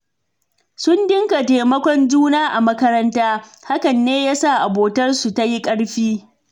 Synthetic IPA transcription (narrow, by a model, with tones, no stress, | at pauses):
sʊ˦ndɪ˦ŋka˨teː˨mɐ˦kʷɔ˦nd͡ʒuː˦naː˦ʔa˨mɐ˦kɐ˦ɾɐ˦ntaː˦ha˦kɐ˨nːeː˦jaː˦sa˦˨ʔa˨boː˨tɐ˦rsu˨ta˦ji˦kʼɐ˦ɽɸiː˦